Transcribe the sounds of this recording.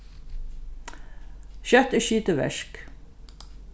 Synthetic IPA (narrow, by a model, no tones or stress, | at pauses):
ɕœt̪ɪʃiːt̪əʋɛ̰ʂk